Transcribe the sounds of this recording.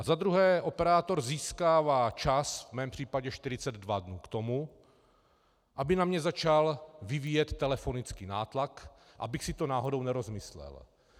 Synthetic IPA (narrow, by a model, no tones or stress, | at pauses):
ʔazad̪ɾuɦɛːʔo̞pɛɾaːt̪o̞ɾziːskaːvaːt͡ʃasvmɛːmpr̥iːpaɟɛʃt̪ɪɾɪt͡sɛd̪dvadnuːkt̪o̞mu | ʔabɪnamɲɛzat͡ʃalvɪviːjɛt̪ːɛlɛfo̞nɪt͡skiːnaːt̪lak | ʔa̰bɪxsɪt̪onaːɦo̞do̞wnɛɾo̞zmɪslɛ̰l